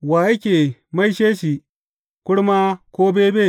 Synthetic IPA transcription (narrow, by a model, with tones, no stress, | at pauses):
waː˨ʔɐ˦kʲeː˨ma˦jʃeː˦ʃi˨ | kʷʊ˦ɽma˦kʷoː˦beː˦beː˦˨